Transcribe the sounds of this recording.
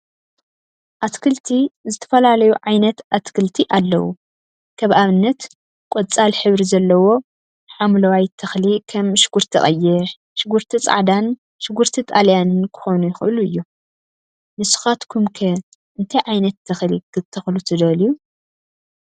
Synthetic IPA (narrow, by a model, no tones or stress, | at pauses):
ʔat̪kʰɨlt̪ʰizɨt̪ʰɐ̥fɐlalɐjuʕajnɐt̪at̪kʰɨlt̪ʰiʔalːɐ̰wṵ | kʰɐβʔaβɨnːɐt̪ | kʷʼot͡sʼalħɨβɾizɐlːɐwo̞ | ħamlɐwajt̪ʰːɐxlikʰɐmʃɪ̥ɡ̥uɾt̪ʰḭχʼɐ̰jːɪɾ | ʃɪɡuɾt̪ʰit͡sʼa̰ʕd̪an | ʃɪɡuɾt̪ʰit̪ʼaljanɨnkʰɨ̥xonujɪxɨ̰ʔluɨjːu | nɨsu̥xat̪kʰumkʰɐ | ʔɨnt̪ʰajʕajnɐt̪ʰːɐxlikʰɨt̪ʰːɐxlut̪ʰɨd̪ɐliju